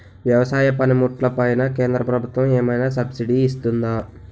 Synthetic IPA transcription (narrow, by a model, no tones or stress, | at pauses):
ʋjɐʋɐsaːjɐpɐnimuʈlɐpɐjnɐkeːnd̪ɾɐpɾɐbʱut̪ʋɐmɛːmɐjnaːs̬ɐbsiɖiːs̬t̪und̪aː